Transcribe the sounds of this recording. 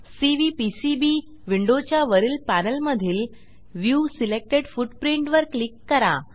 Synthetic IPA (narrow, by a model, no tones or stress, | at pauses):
siʋipisibi | ʋiɳɖot͡ɕjaʋəɾiːlpænəlməd̪ʱiːl | ʋjusilek̚ʈeɽfuʈpɾiɳʈʋəɾklikːəɾa